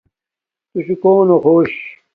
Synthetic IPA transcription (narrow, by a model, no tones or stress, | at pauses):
t̪usukoːnoxoːɕ